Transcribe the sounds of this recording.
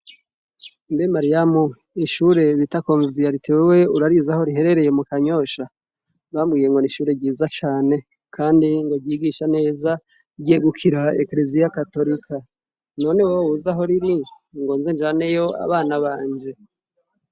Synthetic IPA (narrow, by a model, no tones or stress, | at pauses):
nbemaɾijamu | iʃuɾe̞βitakoːɱvvijaɾitewewe̞uɾaɾizaho̞ɾiɦe̞ɾe̞ɾe̞je̞mukaɲo̞ʃa | βamɡiːje̞ŋɡo̞niʃuːɾe̞ɟiːzat͡ʃaːne̞ | kʰaːndiŋɡoɟjiɡiʃane̞ːza | ɟeɡukʰiɾaḛkle̞zijakato̞ɾikʰa | no̞ːneweowuzaɦo̞ɾiɾi | ŋɡo̞ːnze̞ɲd͡ʒaːne̞jo̞a̰βaːnaβaːɲd͡ʒe̞